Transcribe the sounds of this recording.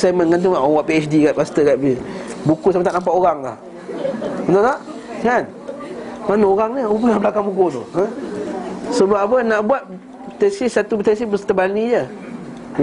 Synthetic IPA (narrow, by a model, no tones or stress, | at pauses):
samə̃nkant̪̬uŋaʔawaʔpiɛt͡ʃdikat̪̚past̪əkaʔ̪̚bəbukusamat̪aʔnampaʔoɣaŋla̰h | ənt̪ot̪aʔkan | manaoɣaŋɲəobənaʔbəlakaŋbukut̪oã | səbapapənaʔbuat̪̚ | t̪ɛsɪsːat̪uət̪ɛs̬ibəsə̥t̪əbanid͡ʒə